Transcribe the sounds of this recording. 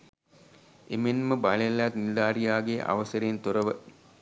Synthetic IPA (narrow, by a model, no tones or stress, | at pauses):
emenməbɐɭelat̪nild̪aːɾijaːɡeʔɐ̰ʋəsəɾeːnt̪oɾəʋə